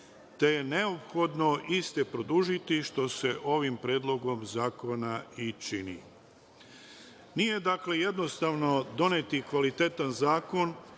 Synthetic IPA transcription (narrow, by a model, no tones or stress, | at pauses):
t̪e̞je̞ne̞opxo̞d̪no̞ʔist̪epɾo̞d̪uʒit̪iʃt̪o̞se̞ʔo̞ʋimpɾeːd̪lˠo̞ɡo̞mzaːko̞nait͡ʃinḭ | nije̞d̪akle̞je̞d̪no̞st̪aʋno̞d̪o̞net̪ikʋalit̪e̞t̪anzaːko̞n